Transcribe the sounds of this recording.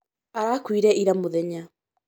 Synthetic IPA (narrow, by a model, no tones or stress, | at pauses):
aɾakwiɾɛʔiɾamoðɛɲa